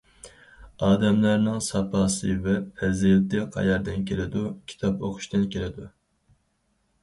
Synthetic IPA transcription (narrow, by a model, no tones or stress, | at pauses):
ɑːd̪ɛmlæɾnɪŋsɑpʰɑːsɨvɛpʰɛzijt̪ɨqʰɑ̰jɑɾd̪ɪnkʲʰelɪd̪ukʲʰi̥t̪ʰɑpoqʰʊ̥ʃt̪ɨnkʲelɪd̪u